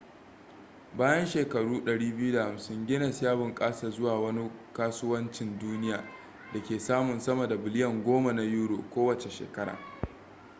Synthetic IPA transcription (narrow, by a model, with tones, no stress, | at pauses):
baː˦jɐ˦nʃeː˨kɐ˨ɽuː˦ɗɐ˨ɽiː˦bɪ˦ju˦da˨ha˨msɪ˦ŋɡʲɪ˦na˨sjaː˦bʊ˨ŋkʼaː˦sa˨zʊ˦waː˨wɐ˦ni˦kaː˦sʊ˦wɐ˦nt͡ʃɪ˨nduː˦nɪ˦jaː˨ | da˨kʲeː˨saː˦mʊ˨nsɐ˦ma˨da˨bɪ˨lɪ˦jɐ˨ŋɡʷoː˦ma˨na˨juː˦ɽo̰ː˨kʷoː˦wɐ˨t͡ʃe˨ʃḛː˨kɐ˦ɽa̰ː˨